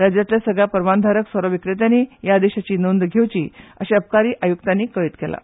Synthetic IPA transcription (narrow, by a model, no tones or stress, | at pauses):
ɾad͡ʑjat̪ljasəɡɭjapəɾʋand̪ʱaɾəksəɾəʋikɾet̪janiːjad̪eɕat͡ɕiːnond̪ɡʱewt͡ɕiːə̰ɕaəp̚kaɾiːʔajukt̪anːiːkəit̪kɛla̰